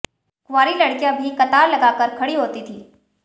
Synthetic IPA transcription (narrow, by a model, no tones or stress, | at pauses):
kwaːɾilɐɽkijãbʱikɐt̪aːɾlɐɡaːkəɾkʰɐɽiɦoːt̪it̪ʰiː